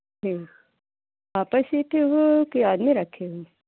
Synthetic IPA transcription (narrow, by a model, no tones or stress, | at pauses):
ʈiː | aːpəsit̪ʰeɦukiaːd̪miɾɐkʰeɦu